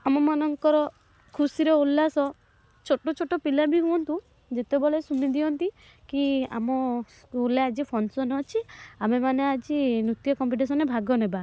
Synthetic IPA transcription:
amɔmanɔŋkɔɾɔ | kʰusiɾeolːasɔ | t͡ʃʰoʈot͡ʃʰoʈɔpilabiɦũɔnt̪ũ | d͡ʒet̪ebɔlesumid̪iɔnt̪i | kia̰mɔsulead͡ʒipʰɔnsɔnɔt͡ʃʰiamemanead͡ʒinɾut̪jɔkɔmpiʈ̬es̬ɔnebʱaɡɔneba

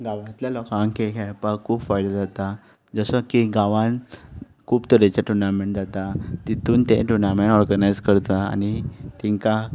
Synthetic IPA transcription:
ɡaʋãt̪ljalɔkãŋkekʰapakʰuːbfajd̪əd͡zat̪a | d͡zəsəkiɡaʋãn | kʰuːpt̪əɾet͡ɕaʈunamẽɳʈ̚d͡zat̪at̪it̪ʰuːnt̪ḛ̃ʈunameɳʈɔɾɡənajd͡zkəɾt̪əa̰nit̪iŋka

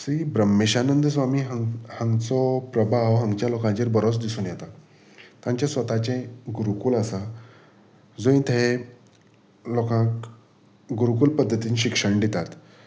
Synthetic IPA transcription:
sɾiːbɾəmːeɕanənd̪əsʋamiːɦhə̃ŋɡt͡sɔpɾəbʱaʋɦə̃ŋɡt͡ɕjalokãɲt͡ɕiɾbəɾot͡sd̪isuːnjɛt̪a | t̪ãɲt͡ɕasʋət̪at͡ɕẽɡuɾukuːlasa | d͡zoĩnt̪ʰee | lokãk | ɡuɾukuːlpəd̪ʱːət̪iːnɕikʂəɳɖit̪at̪

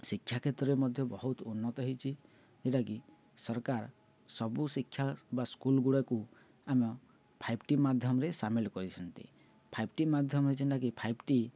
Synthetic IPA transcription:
sikʰːjakʰet̪ɾɔɾemɔd̪ʱjɔbɔɦut̪unːɔt̪ɔɦit͡ʃʰi | d͡ʒeʈaki | sɔɾkaɾ | sɔbusikʰjabaskulɡuɽaku | amɔ | pʰajbʈimad̪ʱjɔmɔɾesamilkɔɾit͡ʃʰɔnt̪ḭ | pʰajb̚ʈimad̪ʱjɔmɔɾed͡ʒinʈakipʰajbʈi

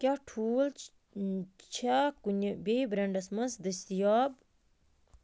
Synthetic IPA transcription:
kʲaʈʰuːl | t͡ʃʰakunʲbebɾɐɳɖɐsmɐnsd̪ɨst̪ijaːb̚

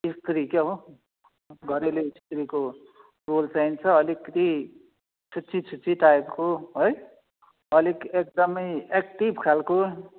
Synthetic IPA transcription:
ist̪ɾikeɦo | ɡʱʌɾeleist̪ɾiko | rolsajnt͡sʰʌʌlikːt̪i | t͡sʰut͡sit͡sʰut͡siʈaebkoɦoj | ʌlikek̚d̪ʌmʌjekʈibʱkʰalko

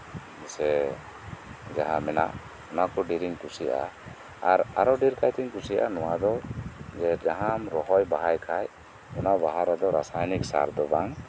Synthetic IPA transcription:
misɛ | d͡ʒaɦamɛna̰ʔ | ɔnakɔɖiɾiŋkusijʔa̰ | aɾaɾɔɖiɾkʰajt̪iŋkusiʔanɔwad̪ɔd͡ʒɛd͡ʒaɦamɾɔɦɔjbaɦajkʰaj | ɔnabaɦaɾad̪ɔɾa̰sajniksa̰ɾd̪ɔbaŋ

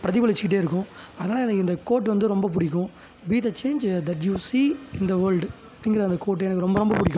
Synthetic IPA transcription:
pɪɾɐðɪpɐɭɪt͡ʃːɪkɪʈ̬ːeːɪɾɯkːʊ̃ɐðɐnaːlɐɛnɐkːɯɪnd̪ɐkoːʈːʋɐnd̪ɯɾɔmbɐp̬ʊɽɪk̬ːʊ̃ | biːt̪ɐt͡ʃeːnd͡ʒd̪ɐʈjuːsiːɪnd̪ɐʋɐɾlɖ | ɐpːɐɽɪŋɡɪɾɐɪnd̪ɐkoːʈ̬ːeːɛnɐkːɯɾɔmbɐɾɔmbɐpʊɽɪkʲːʊ̃

